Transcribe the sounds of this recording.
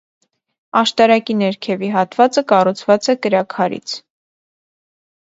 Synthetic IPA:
ɑʃt̪ɑɾɑkinɛɾkʰɛviɦɑt̪vɑt͡səkɑrut͡sʰvɑt͡sɛkəɾɑkʰɑɾḭt͡sʰ

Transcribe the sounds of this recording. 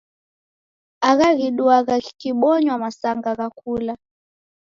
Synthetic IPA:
aɣaɣiɗuaɣakikiɓɔɲwamasaŋɡaɣakula

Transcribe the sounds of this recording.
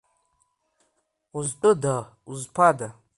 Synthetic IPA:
uztʼoda | uzpʰada

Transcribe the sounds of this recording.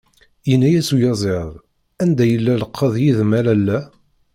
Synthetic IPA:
jənːæjæsujɑzˤeðˤ | ænd̪æjəlːæləqʰːəðˤjiðmælælːæ

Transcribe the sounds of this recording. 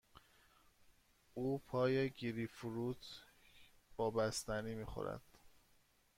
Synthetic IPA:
uːpʰɒːjeɟiɾifuɾut̪ʰ | b̥ɒːbæst̪æniːmiːxo̰ɾæ̰d̪̥

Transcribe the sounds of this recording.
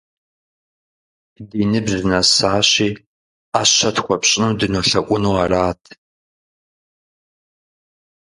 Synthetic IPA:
diːnɨbzɨnɐsaːɕiː | aːɕɐtxʷɔpɕʼɪnɨmdɨnoɬɐkʷʼʊnuwaːraːtʰ

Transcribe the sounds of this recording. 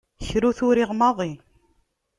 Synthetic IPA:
çɾuθʊɾiʁmɑðˤi

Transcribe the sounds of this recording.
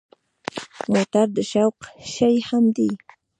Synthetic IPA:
mot̪aɾd̪əʃawqʃajhamd̪i

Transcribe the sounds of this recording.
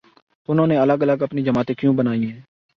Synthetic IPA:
ʊnɦõːneːələɡələɡəpniːd͡ʒəmaːt̪ẽːkjũːbənaːiɦɛ̃ː

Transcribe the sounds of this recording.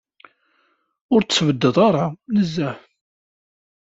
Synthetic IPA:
ʊɾt͡sːvəd̪ːəðˤɑɾˤɑnəzːæħ

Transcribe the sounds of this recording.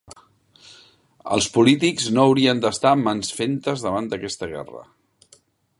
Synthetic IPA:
ə̰lˠspulit̪ikznoːwɾiənd̪əst̪amənsfent̪əzðəβand̪əkɛst̪əɣɛ̰rə̰

